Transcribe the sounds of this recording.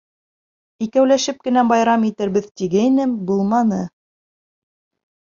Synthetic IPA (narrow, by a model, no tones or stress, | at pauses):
ikæwlæʃɘp̚kɘ̆næbɑjɾɑmit̪ɘ̆ɾbɘðt̪iɡæinɘmbulˠmɑnɤ